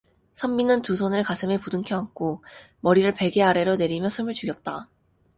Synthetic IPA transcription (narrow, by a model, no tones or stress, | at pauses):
sʰʌmbinɯntusʰʌnɯɭkasʰɯme̞pudɯŋkʰjʌɦak͈ʰo | mʌɾiɾɯɭpe̞ɡe̞aɾeɾone̞ɾimjʌsʰɯmɯɭt͡ɕuɡjʌt̚t͈a